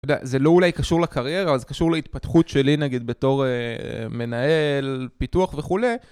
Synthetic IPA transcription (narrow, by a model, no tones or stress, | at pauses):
od̪ea̰ze̞lo̞ulajkaʃuʁlakaʁje̞ʁaːvalzekaʃuʁleit̪̚pat̪χutʃe̞linaɡid̪be̞to̞ʁḛme̞naelpituaχveχule̞